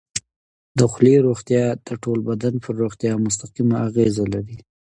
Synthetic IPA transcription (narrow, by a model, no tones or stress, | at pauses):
d̪əxʊleɾoxt̪jɑd̪̥əʈolbad̪anpʰəɾːoxt̪jɑmʊst̪aqimaːɣezalaɾi